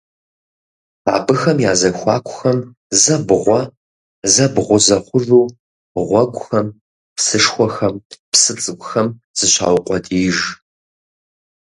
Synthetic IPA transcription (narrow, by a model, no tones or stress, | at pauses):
aːbɨxɐmjaːzɐxʷɑːkʷʰʼʊxɐm | zɐbʁʷɔ | zɐbʁʷʊzɐχʷʊʐuː | ʁʷɔɡʷʼʊxɐm | psɨʂxʷɔxɐmpsɨt͡sʼɨɡʷʊxɐm | z̥ɨɕa̰ːwʊqʷʼɔdʰiːʒ